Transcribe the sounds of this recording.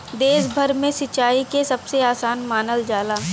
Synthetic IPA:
d̪eːsbʱəɾmẽsɪt͡ʃaːikesɐbseaːsaːnmaːnəld͡ʒaːlaː

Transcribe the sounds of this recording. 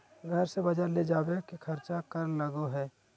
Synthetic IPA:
ɡʱəɾsebɐd͡ʒəɾled͡ʒaːbekikʰɐɾt͡ʃakəɾnləɡoɦɛː

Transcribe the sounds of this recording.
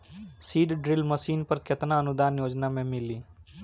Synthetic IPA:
siːɖɖɾɪlməsiːnpəɾkɪt̪naənʊd̪aːnjoːd͡ʒnamẽmɪliː

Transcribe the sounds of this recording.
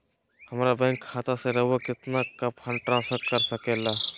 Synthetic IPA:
hɐmɾabɛ̃ːŋkʰːaːt̪aseɾɐɦwakɪt̪nakapʰənʈɾãːnsfʰəɾkɐɾsəkeːlaː

